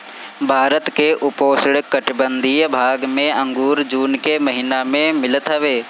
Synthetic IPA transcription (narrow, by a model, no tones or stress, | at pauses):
bʱaːɾət̪keʔʊpoːsɪɽkəʈbənd̪ʱijəbʱaːɡmẽə̃ŋɡuːɾd͡ʒuːnkeməɦinamẽmɪlət̪ɦɐʋeː